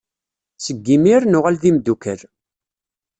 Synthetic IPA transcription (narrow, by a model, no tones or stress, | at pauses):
səɡːimiɾnʊʁalðimd̪ukəɾ